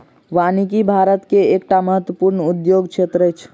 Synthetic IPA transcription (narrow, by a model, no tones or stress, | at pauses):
ʋaːnikibʱaːɾət̪keekʈaməɦət̪wəpuɾnud̪joːɡt͡ʃʰet̪ɾət͡ʃʰ